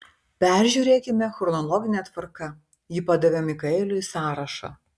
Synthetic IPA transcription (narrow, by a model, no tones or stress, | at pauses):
pʲæˑɾʲʒʲuːɾʲeːkʲɪmʲɛxɾɔnɔlˠɔːɡʲɪnʲɛt̪ʋɐɾkɐ | jiːpɑd̪ɐʋʲeːmikɐɪlʲʊisɑːɾɐʃɑ̰